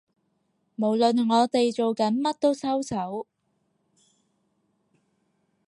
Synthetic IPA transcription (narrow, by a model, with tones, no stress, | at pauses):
mo˨˩wlɵ˨nŋɔː˨˧t̪e˨jt͡ʃo˨wkɐ˨˥nmɐ˥t̚t̪o˥wsɐ˥wsʰɐ˨˥w